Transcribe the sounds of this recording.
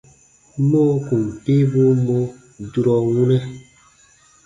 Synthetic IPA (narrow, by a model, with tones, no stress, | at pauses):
mo˦ku˨m˨pi˦bu˦mo˦ | du˦ɾɔ˨wu˦nɛ˦